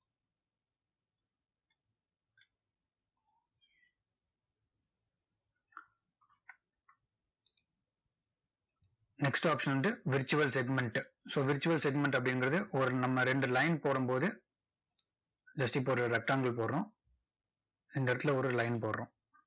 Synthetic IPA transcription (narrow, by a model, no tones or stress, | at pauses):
nɛksʈaːpʂɐnɐnɖɯʋɪɾt͡ʃʊʋɐlsɛɡmɛɳʈsoːʋɪɾt͡ʃʊʋɐlsɛɡmɛɳʈɐp̬ːɐɽɪnɡɪɾɐðɯʔɔɾɯnɐmːɐɾɛɳɖɯlɐɪnpoːɽɐmpoːðɯ | d͡ʒɐsʈipoːɾɾɐɾɐk̚ʈːaːŋɡɐɭpoːɾɾõː | ɪnd̪ɐɪɾɐt̪ːɪlɐɔɾɯlɐɪnpoːɾɾõː